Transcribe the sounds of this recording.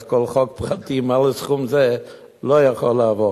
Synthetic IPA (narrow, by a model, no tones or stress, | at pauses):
kʰɔlˠχɔk̚pʁatdimalˠəsχʊmzɛ | lɔaχɔlaavɔ